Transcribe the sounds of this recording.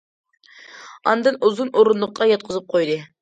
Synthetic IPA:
ɑ̰nd̪ɨnuzunʔoɾunlˠʊq̚ʰːɑjɑt̪̚qʰəzɨp̚qʰojd̪ɨ

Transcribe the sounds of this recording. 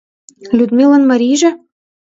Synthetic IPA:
lʲud̪mʲilˠɤ̆nmɑɾʲiʒɘ̆

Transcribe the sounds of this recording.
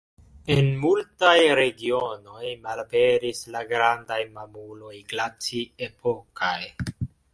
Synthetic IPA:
enmultajɾe̞ɡio̞no̞jmalbe̞ɾislaɡɾandajmamulo̞jɡlat͡siepʰokaj

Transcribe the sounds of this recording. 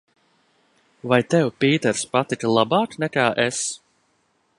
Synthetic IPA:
vajt̪ɛwpʲiːt̪ɛɾspat̪iklˠabaːknɛkaːʔɛs

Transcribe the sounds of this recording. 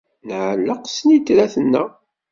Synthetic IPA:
nʕəlːəqsənit̪ːɾæθənːæ

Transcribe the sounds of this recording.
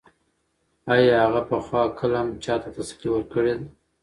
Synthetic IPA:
ɑjɑhaɣapəxwɑkʰəlamt͡ʃɑt̪at̪asi̥qiwəɾkəɽed̪a

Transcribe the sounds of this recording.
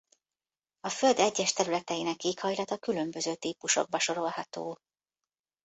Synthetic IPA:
ɒfø̞ld̪ɛɟːɛʃt̪ɛɾylɛt̪ɛjinɛkːeːkhɒjlɒt̪ɒkylø̞mbø̞zøːt̪iːpuʃo̞̰ɡ̚bɒʃo̞ɾo̞lhɒt̪o̰ː

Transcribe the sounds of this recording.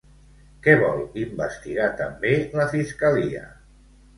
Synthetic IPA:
kɛβɔlˠimbəst̪iɣat̪əmbeləfiskəliə̰

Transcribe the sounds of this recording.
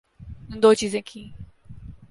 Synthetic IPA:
ə̃nd̪oːt͡ɕiːzẽːkʰĩː

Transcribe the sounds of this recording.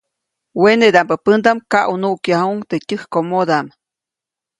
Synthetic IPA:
wened̪ampəpɨnd̪amkaʔunuʔkjahuŋt̪etʲɨhkomod̪am

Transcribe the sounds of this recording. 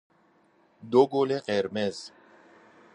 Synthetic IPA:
d̪oɡoleqeɾmez̥

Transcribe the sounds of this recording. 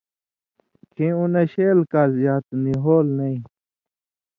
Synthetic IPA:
kʰĩuneɕeːlkazjaːt̪niɦoːlnɐĩ

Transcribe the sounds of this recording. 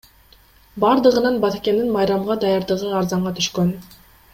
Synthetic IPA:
bɑɾd̪ɯʁɯnɑnbɑt̪ekʲe̞nd̪inmɑjɾɑmʁɑd̪ɑjɑɾd̪ɯʁɯɑɾzɑɴʁɑt̪ʰyʃkøn

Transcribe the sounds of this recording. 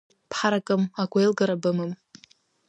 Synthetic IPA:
pʰħaɾakʼɨmaɡʷejlɡaɾabɨmɨm

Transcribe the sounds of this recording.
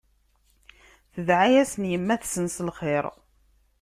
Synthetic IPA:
θəðʕajæsənjəmːæθsənsəlχeɾˤ

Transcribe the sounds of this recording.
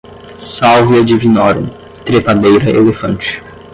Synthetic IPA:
sawviɐd͡ʒivinɔɾõ̰ | t̪ɾepad̪ejɾɐʔelefɐ̃nt͡ʃɪ̥

